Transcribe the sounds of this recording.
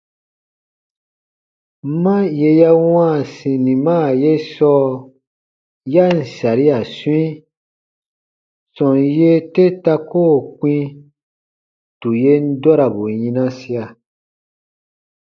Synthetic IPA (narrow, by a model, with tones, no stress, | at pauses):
mã˦je˧ja˦wãː˦˨sĩ˨nĩ˨mãː˦˨je˦sɔ˦ | ja˦n̩˨sa˨ɾi˦a˨swĩ˦ | sɔ̃˨je˦te˦ta˧koː˦˨kĩ˦ | tu˨je˦n̩˦dɔ˦ɾa˨bo˨jĩ˧nã˦si˦a˨